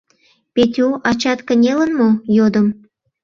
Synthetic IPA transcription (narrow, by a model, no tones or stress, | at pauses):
pet̪ʲuʔɑt͡ɕɑt̪kə̆nʲelənmojod̪əm